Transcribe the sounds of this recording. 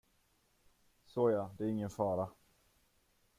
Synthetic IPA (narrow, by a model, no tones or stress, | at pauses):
soːjad̪ɛæɾɪŋːənfɑːɾa